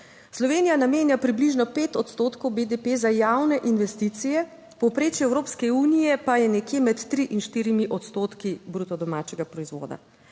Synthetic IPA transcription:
slɔʋeːnijanameːnjapɾibliʒnɔpeːt̪ɔt̪st̪oːt̪kɔwbed̪epezajaːwnɛʔinʋɛst̪it̪sijɛ | pɔwpɾeːt͡ʃjɛɛwɾoːpskɛuːnijɛpajɛnɛkjeːmɛt̪ːɾiʔinʃt̪iːɾimiʔɔt̪st̪oːt̪kibɾut̪ɔd̪ɔmaːt͡ʃɛɡapɾɔizʋo̰ːd̪a̰

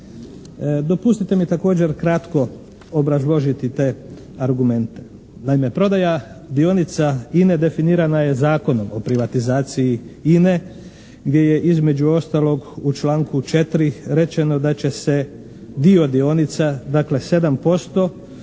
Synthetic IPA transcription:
d̪o̞pust̪it̪e̞mit̪ako̞ːd͡ʑe̞ɾkɾat̪ko̞ | obɾazlˠo̞ʒit̪it̪e̞ | aɾɡume̞nt̪e̞̥ | naime̞pɾo̞d̪aja | d̪io̞nit̪saine̞d̪e̞finiːɾanaje̞zaːko̞no̞mo̞pɾiʋat̪izaːt̪sijiine̞ | ɡd̪je̞je̞ʔizme̞d͡ʒuo̞st̪alo̞ɡut͡ʃlˠaːŋkut͡ʃe̞t̪ɾiɾe̞t͡ʃe̞no̞d̪at͡ɕe̞se̞ | d̪io̞d̪io̞nit̪sad̪akle̞se̞d̪ampo̞st̪o̞

